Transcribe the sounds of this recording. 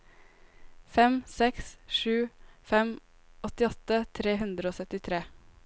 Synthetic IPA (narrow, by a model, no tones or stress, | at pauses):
fɛmsɛksʃʉːfɛm | ɔt̪ɪɔt̪ət̪ʰɾeːɦʉnd̪ɾəoːsœt̪ɪt̪ʰɾeː